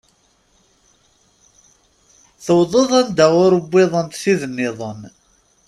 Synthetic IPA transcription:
θəwðˤoðˤænd̪æʁʊɾəbːɪðˤənt̪θiðənːɪðˤən

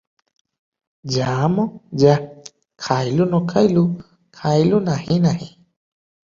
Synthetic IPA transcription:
d͡ʒamɔd͡ʒa | kʰailunɔkʰailu | kʰailunahinaɦi

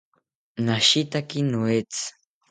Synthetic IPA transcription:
naʃit̪akinuet͡s

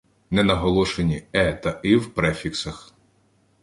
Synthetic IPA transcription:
nɛnɐɦɔlˠɔʃenʲiɛt̪ɐiwpɾɛfʲiksɐx

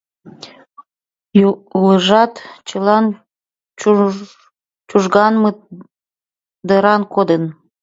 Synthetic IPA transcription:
uləʒɑt̪t͡ɕəlɑn | t͡ʃuʒɣɑnmə | d̪əɾɑnkod̪ən

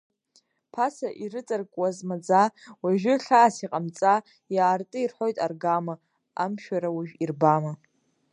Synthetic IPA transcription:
pʰasaʔiɾɨt͡sʼarkʼwazmad͡zawaʒᶣɪrɬaːsiqʼamt͡sʼa | jaːrtʼɨirħo̞jtʼarɡama | amʃᶣaɾawiʒᶣirbama

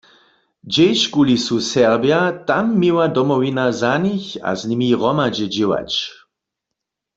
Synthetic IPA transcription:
d͡ʒejʃkulisusɛʁbjat̪amːiwadɔmɔwinazaniça̰znimiʁɔmad͡ʒɛd͡ʒɪwa̰t͡ʃ

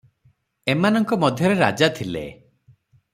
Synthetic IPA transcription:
emanɔŋkɔmɔd̪ʱjɔɾeɾa̰d͡ʒat̪ʰilḛ

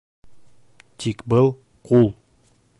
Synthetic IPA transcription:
t̪ʰikbɤlˠ | qulˠ

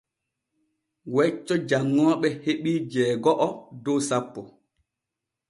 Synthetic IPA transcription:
wɛt͡ʃːɔd͡ʒaŋːɔːɓɛheɓiːd͡ʒɛːɡɔʔɔdɔwsapːɔ

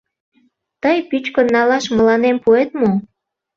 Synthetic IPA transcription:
t̪əjpyt͡ɕkonːɑlɑʃmə̆lɑnempuet̪mo

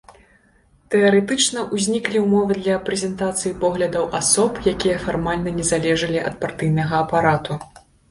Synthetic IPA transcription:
t̪ɛɐɾɛt̪ɨt͡ʂnɐʔuzʲnʲiklʲiwmɔvɨd̪lʲɐpɾɛzʲɛnt̪at̪sɨjipɔɣlʲɐd̪ɐwʔasɔpjakʲijɐfarmalʲnɐnʲɛzalʲɛʐɐlʲiʔɐ̰t̪̚part̪ɨjnɐɣɐːpaɾat̪u

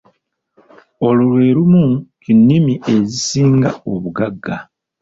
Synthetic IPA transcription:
o̞lolwe̞ːɾumukinːimiʔe̞zisiːŋɡa̰o̞βuɡaɡːa

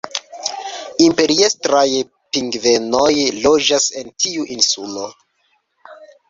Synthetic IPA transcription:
impe̞ɾiestɾaj | piŋɡve̞no̞jlo̞d͡ʒase̞ntiuʔinsulo̞

